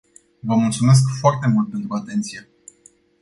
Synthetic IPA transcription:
vəmult̪sume̞s̬kfoart̪e̞mult̪̚pe̞nt̪ɾuat̪e̞nt̪sije̞

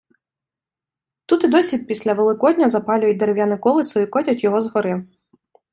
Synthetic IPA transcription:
t̪ut̪ɪd̪ɔsʲʋʲid̪̚pʲisʲlʲɐʋelˠɪkɔdʲnʲɐzɐpɑlʲʊjɛt̚ʲd̪eɾewjanɪkɔlˠɪsɔikɔtʲɐtʲjɔɦɔzɦɔɾɪw

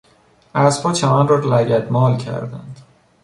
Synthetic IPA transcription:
æspʰɒːt͡ʃʰæmænrɒːlæɟæd̪mɒːlcʰæ̰ɾd̪æ̰nd̪̥

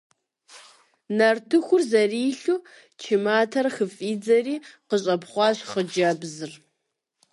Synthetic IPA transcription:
nɐrtʰɨxʷʊrzɐriːɬu | t͡ʃʰimaːtʰɐrxɨfʼiːd͡zɐriːqəɕʼɐpχʷɑɕχəd͡ʒɐbzɨr

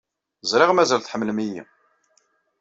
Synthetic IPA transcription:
zɾˤɪʁmæzælθħəmːlmijḭ

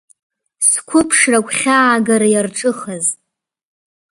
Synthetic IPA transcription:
skʷʰʊpʰʂrakʷʰʼχʲaːɡaɾajarʈ͡ʂʼɨχaz

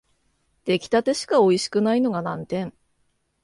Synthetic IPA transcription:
t̪e̞kʲi̥t̪at̪e̞ɕi̥kao̞iɕi̥kɯ̟naino̞ɡanãnt̪ẽ̞ɴ

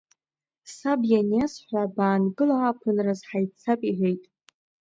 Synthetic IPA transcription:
sabjanjasħʷabaːnɡɨlaːpʰɨnrazħajt͡sʰapʼiʕejtʼ

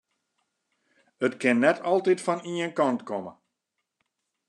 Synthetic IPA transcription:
ətkɪnːɛtʰɔlˠtitfɔniənkɔntkɔmə̰

